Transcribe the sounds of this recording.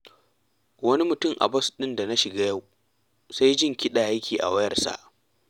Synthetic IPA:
wɐ˦ni˦mʊ˨tʊ˦˨mʔa̰˨bɐ˦sɗɪ˦nda˨na˦ʃɪ˨ɡaː˦ja˦˨w | sa˦jd͡ʒɪ˦ŋkʲɪ˦ɗaː˨jkʲʰiː˨ʔa̰˨wɐ˦jɐ˨rsa̰˨ʔ

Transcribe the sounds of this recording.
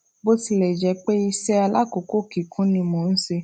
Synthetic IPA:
bo˦ti˧lɛ˨d͡ʒɛ˧k͡pe˦i˧sɛ˦a˧la̰˦ko˨ko˦˨ki˨kʰũ˨˦nĩ˧mo˧˨n̩˦se˧

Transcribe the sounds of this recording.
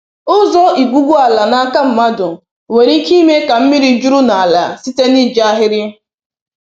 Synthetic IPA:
ʊ˦zɔ˦i˨ɡʷu˦ɡu˦a˨la˨na˦ka˦m̩˦ma˦dʊ˨ | we˨ɾi˦ki˦me˦ka˨m̩˦mi˦ɾi˦d͡ʒu˦ɾʊ˦na˨a˨la˨si˦te˦ni˦˨d͡ʒa˦ɦɪ˦ɾjɪ˦

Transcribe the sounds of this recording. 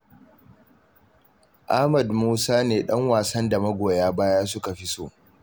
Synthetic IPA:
ʔa˦mɐ˨dmuː˦saː˦neː˨ɗɐ˦ŋwaː˨sɐ˦nda˨mɐ˦ɡʷoː˨jaː˦baː˦jaː˦s̬ʊ˦ka˨ɸi˦soː˦˨

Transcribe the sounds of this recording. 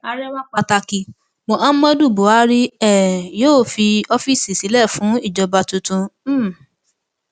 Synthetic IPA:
a˧ɾɛ˦wa˦k͡pa˧ta˧ki˧ | mo˨a˦mɔ̃˦du˦˨bo˨˦a˦ɾi˦ɛ˦˨joː˦˨fi˧ɔ˧fi˦˨si˨si˨˦lɛ˦˨fũ˨˦i˦˨d͡ʒɔ˧ba˧tu˧tũ˧˦˨

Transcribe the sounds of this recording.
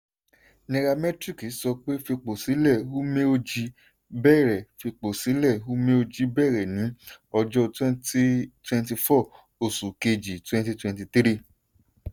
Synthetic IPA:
nɛ̃˧ɾa˧mɛ˦tɾi˦˨ki˨˦sɔ˧k͡pe˦fi˧k͡po˨si˨˦lɛ˦˨u˦mẽ˦o˧d͡ʒi˧ | bɛː˦˨ɾɛ˨fi˧k͡po˨si˨˦lɛ˦˨u˦mẽ˦o˧d͡ʒi˨˦bɛ˦˨ɾɛ˨nĩ˨˦ɔ˧d͡ʒɔ˦twɛ̃˦nti˦twɛ̃˧nti˧fɔ˦˨ | o˨su˨ke˧d͡ʒi˨twɛ̃˧nti˧twɛ̃˧nti˧t̪ɾi˦

